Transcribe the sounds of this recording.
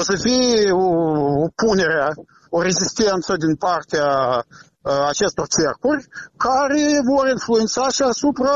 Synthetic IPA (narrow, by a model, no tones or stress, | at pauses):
osəfijoopune̞ɾea | oɾe̞zist̪e̞nt̪səd̪inpart̪ea | t͡ʃe̞st̪o̞rt͡ʃerkurʲkaɾe̞vo̞rinfluet̪saʃiasupɾa